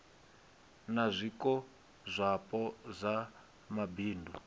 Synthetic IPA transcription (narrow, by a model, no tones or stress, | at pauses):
nazʷikɔ | zʷapʼɔzʷa | mabiːndʱu